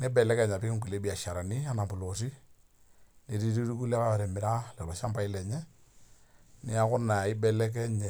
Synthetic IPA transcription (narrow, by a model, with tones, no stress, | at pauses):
nɛ˦bɛ˨lɛ˦kɛ˦˨ɲa˨pɪ˦kɪ˦ŋku˨le˦bi˨a˨ʃa˨ɾa˨ni˦a˦na˨bʊ˨lo˨si˦ | ne˨ɾi˦ɾi˦ɾu˦ku˦lɛ˦ka˦a˨ɾɛ˨mɪ˨ɾa˦lɛ˨lɔ˨ʃa˦mba˦ɪ˦lɛ˨ɲɛ˦ | nɛ˦a˦kʊ˦na˨ɪ˦bɛ˨lɛ˦k̬ɛ˦ɲɛ˨